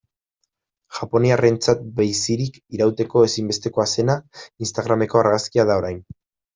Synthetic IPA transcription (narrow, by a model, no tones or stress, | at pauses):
ʝ̥apo̞niare̞nt͡sat̪̚bejsiɾik | iɾawt̪e̞ko̞e̞simbe̞st̪e̞ko̞ase̞nainst̪aɣ̞ɾame̞ko̞aɾɣaskiaðao̞ɾajn